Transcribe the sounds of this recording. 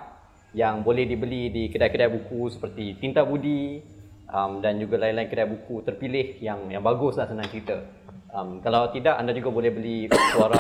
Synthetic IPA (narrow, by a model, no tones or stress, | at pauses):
jaŋbolɛhdibəlidikədajkədajbukusə̥pərt̪it̪int̪abudi | ʔəmdand͡ʒuɡalainlaɪnkədajbukut̪ərpilɪhjaŋjaŋbaɡʊslasənãŋkɾit̪ə | ʔəmkalawt̪idaʔandad͡ʒuɡabolɛhbəlisuaɾa